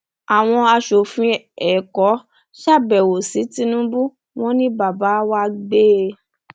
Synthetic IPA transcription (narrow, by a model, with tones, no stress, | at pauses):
a˨w̃ɔ̃˧a˧ʃo˨fĩ˧˦ɛ˨kɔ˨˦ | ʃa˦˨bɛ˨wo˨si˨˦ti˦nũ˦bu˦ | w̃ɔ̃˦nĩ˦ba˨ba˨˦wa˦ɡ͡be˦